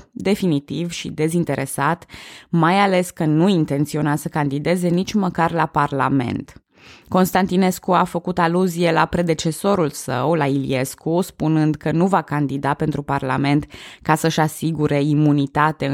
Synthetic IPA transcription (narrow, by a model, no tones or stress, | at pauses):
d̪e̞finit̪ivʃḭd̪e̞zint̪e̞ɾʔe̞̰sat̪majale̞skənuint̪e̞nt̪sio̞nasəkand̪id̪e̞ze̞nit͡ʃʲməkarlaparla̰me̞̰nt̪ | ko̞nst̪ant̪ine̞skuafəkut̪aluzie̞lapɾe̞d̪e̞t͡ʃe̞so̞ɾulsə̰wlailḭe̞skuspunɨnd̪kənuvakand̪id̪ape̞nt̪ɾuparla̰me̞nt̪kasəʃasiɡuɾe̞imunit̪at̪e